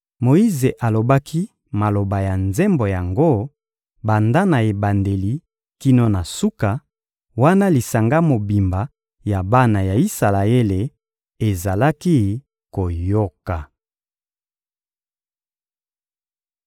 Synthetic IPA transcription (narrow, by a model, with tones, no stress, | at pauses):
mo˨i˦ze˨ʔa˨lo˨ba˦kʰi˦ | ma˨lo˨ba˨ja˨nze˦mbo˨ja˨ŋɡo˦ | ba˨nda˦na˨e˨ba˨nde˨li˦ | ki˦no˦na˨su˦ka˨ | wa˦na˦li˨sa˨ŋɡa˦mo˨bi˨mba˨ | ja˨ba˦na˨ja˨i˦sa˨la˨e˦le˨ | e˨za˨la˦ki˦ | ko˨jo˦ka˨